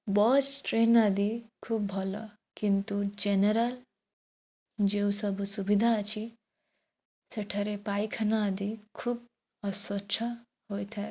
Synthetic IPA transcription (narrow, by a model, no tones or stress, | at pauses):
bɔsʈɾenad̪ʱikʰubːʱɔlɔ̰ | kint̪ud͡ʒeneɾɐl | d͡ʒeusʌbʱusubid̪ʱat͡ʃʰi | seʈʰɐɾepajkʰɐnaːd̪ikʰub̚ | ɐswɔt͡ʃʰʌ | ɦojt̪ʰa